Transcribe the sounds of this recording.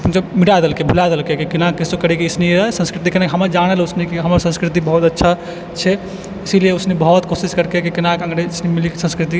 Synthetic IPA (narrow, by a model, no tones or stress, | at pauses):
pənsemiʈajd̪elkebʱulajd̪elkekikinakisokəɾikisniɾsə̃nskɾit̪ikənakeɦəməɾd͡ʒañelusnikiɦəməɾsə̃nskɾit̪ibəɦut̪ətːʃʰa | t͡ʃʰɛ | isilijeusnibəɦut̪kosiskəɾkekikinakəŋɡɾeisnimilikesə̃nskɾit̪i